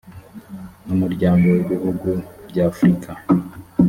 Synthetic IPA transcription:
numuɾɟaːŋɡo̞weβihuɡubɟaːfɾikʰa

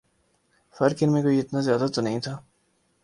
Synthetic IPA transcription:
fɐɾkɪnmẽkoːiɪt̪nazjaːd̪at̪onɐɦĩt̪ʰaː

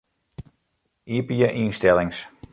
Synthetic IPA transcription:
ʔiəpəjəʔinstɛlɪŋs

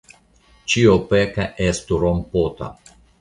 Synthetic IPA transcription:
t͡ʃiopekaʔest̪uɾompot̪a̰

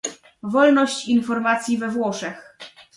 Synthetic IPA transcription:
vɔlnɔɕt͡ɕinfɔɾmat̪sʲjivɛvwɔʂɛx

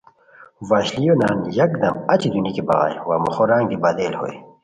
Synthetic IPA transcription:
waːɕlijonaːnjɐkd̪ɐmɐt͡ɕid̪unikibɐ̰ɣa̰jwa̰mo̰xoɾãːŋɡd̪ibad̪eːlho̰ːj

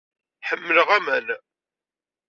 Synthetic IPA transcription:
ħəmːələʁæmæn

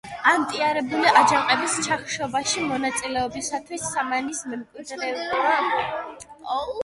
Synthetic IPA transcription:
amt̪ʼiaɾɛbuliʔad͡ʒaqʼɛbist͡ʃʰaχʃɔbaʃimɔnat̪sʼilɛɔbisat̪ʰwisːamanismɛmkʼwit̪ɾɛa | ɔ

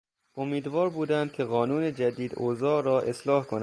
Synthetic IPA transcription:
ʔomiːd̪vɒːɾbuːd̪ænd̪̚kʲʰe̞ɣɒːnuːne̞d͡ʒæd̪iːd̪oːzɒːɾɒːʔe̞slɒːhkʰonæ

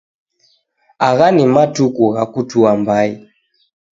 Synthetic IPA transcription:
aɣanimatukuɣakutuambai

